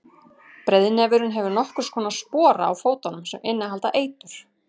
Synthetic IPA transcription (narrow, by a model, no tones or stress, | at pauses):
pɾɛðɪnɛvɪɾʏnɦɛvʏɾnɔhkʏɾ̥skʰɔːnaspɔːɾa̰ːwfoːwt̪anʏmsɛmʔɪnːaɦalt̪aʔeːjt̪ʏɾ̥